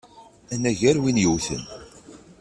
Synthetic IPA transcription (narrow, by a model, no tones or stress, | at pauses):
ænæʝæɾwinjəwθə̰n